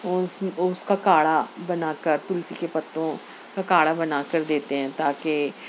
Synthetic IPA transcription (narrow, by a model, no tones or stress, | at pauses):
ʊsʊskaːkaːɽaːbənaːkəɾt̪ʊlsiːkeːpət̪ːõː | kaːkaːɽaːbənaːkəɾd̪eːt̪eɦɛ̃ːt̪aːkɪ